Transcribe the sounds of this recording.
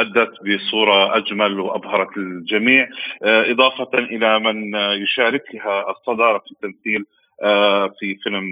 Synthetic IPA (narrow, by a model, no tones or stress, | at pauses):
ʔad̪ːat̪bɪsˤuːɾˤɑʔad͡ʒmalwʔabhɑɾˤɑt̪ɪld͡ʒamiːʕʔɨd̪ˤɑːfɑnʔɪlamɪnjʊʃaːɾɪklaɦasˤːɑd̪ɑːɾˤɑfi̥t̪ːamθiːl | fifɪlm